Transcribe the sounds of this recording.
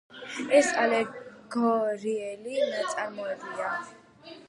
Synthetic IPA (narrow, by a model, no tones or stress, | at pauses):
ɛsalɛɡɔɾiɛliɾat̪sʼaɾmɔɛbia